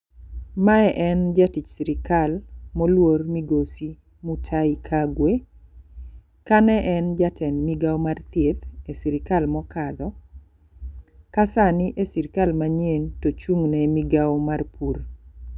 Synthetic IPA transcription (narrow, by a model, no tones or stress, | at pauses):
maɛʔɛnd͡ʒatit͡ʃsiɾɪkalmɔlwormiɡosi | mutʰaikʰaɡwe | kanɛʔɛnd͡ʒatʰɛnmiɡawmart̪jet̪esiɾɪkalmɔkad̪ɔ | kasanɪʔesiɾɪkalmaɲjentot͡ʃuŋnɛmiɡawmarpur